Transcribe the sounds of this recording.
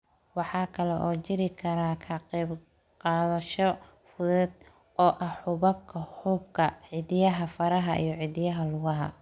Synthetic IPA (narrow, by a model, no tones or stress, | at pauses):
wɑħɑːkʰɐlɛʔɔːt͡ʃɪɾɪkʰɐɾaːkʰɐqɛːb | qɑːðɐʃɔ | fʊðʊd̪ | ɔːʔɐhħʊβɐb̚kʰɐhʊbkʰɐʕɪd̪jɐɦɐfɐɾɐɦɐʔḭjɔʕid̪ɪjɐɦɐlʊɣɐɦɐ̰